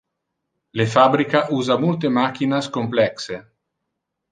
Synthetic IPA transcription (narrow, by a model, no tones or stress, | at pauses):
lefabɾikaʔuːzamult̪emak̟inaskomplɛkse